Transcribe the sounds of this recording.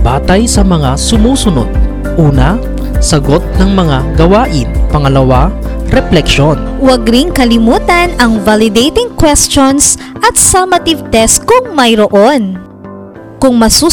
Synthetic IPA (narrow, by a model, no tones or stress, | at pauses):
baːt̪ɐjsɐmɐŋasʊmuːsʊno̰d̪̚ | ʔuːnɐ | sɐɡot̪̚nɐŋmɐŋaɡɐwaːʔɪnpɐŋɐlɐwaɾɛplɛkʃonwɐɡɾɪŋkɐlɪmuːt̪ɐnɐŋvalɪd̪ejt̪ɪŋkwɛst͡ʃonsʔɐt̪̚sɐmɐt̪ivt̪ɛskʊŋmɐjɾoʔon | kʊŋmɐsuː